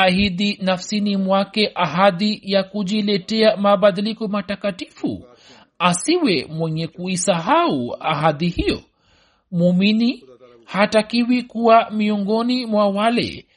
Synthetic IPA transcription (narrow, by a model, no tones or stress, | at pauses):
ahiðinafsinimwakɛʔaɦaðijakuʄilɛtɛamaɓaðilikɔmatakati̥fṵ | asiwɛmwɛɲɛkuisaɦaua̰ɦaðihijɔ̰ | mumini | hatakiwikuwamiɔŋɡɔnimwawalɛ̰